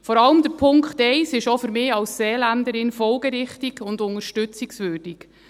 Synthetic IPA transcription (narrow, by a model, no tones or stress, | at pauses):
fɔɾɑləmd̥̪əɾpʰʊŋkχtɛɪsɪʃofʏɾmɪːɑlsseːlændəɾɪnfɔlɡəɾɪχtiɡʊndʊŋəɾʃtʏt͡siksvøːrd̥ik